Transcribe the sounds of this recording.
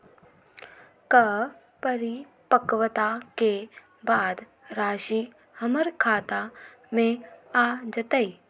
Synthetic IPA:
kɐ | pəɾi | pəkʋət̪ake | baːd̪ | ɾaːʃi | hɐməɾkʰaːt̪a | mẽaːd͡ʒət̪əi

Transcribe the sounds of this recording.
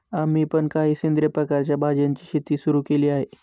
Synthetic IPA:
am̤ipəɳkaɦiːsind̪ɾəpɾəkaɾt͡ɕjabʱad͡ʑant͡ɕiːɕet̪isuɾukeliːaɦe

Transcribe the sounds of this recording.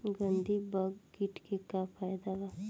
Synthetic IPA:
ɡənd̪ibɐɡːiʈkekapʰaːjd̪aɡa

